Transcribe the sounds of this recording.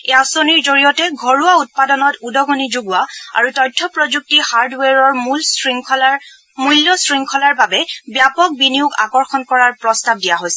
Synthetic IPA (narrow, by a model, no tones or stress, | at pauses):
easoniɹzoɹijɔtɛɡʱɔɹuwaut̚padɔnɔtudɔɡʱɔnizuɡwaa̰ɹutɔjtʰːɔpɹɔzuk̚tihaɹdwɛɹɔɹml | muljɔsɹiŋkʰɔlaɹbabɛbjapɔk̚biniʊka̰kɔɹxɔnkɔɹaɹpɹɔstab̚dijaɦojsɛɛ